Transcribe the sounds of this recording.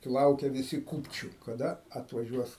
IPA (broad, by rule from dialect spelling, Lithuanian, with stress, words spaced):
ˈlˠɐʊkʲɛ ʋʲɪˈsʲɪ ˈkuːpʲt͡ʃʲʊ kɐˈdɐ ɐtʋɐˈʒʲuɔs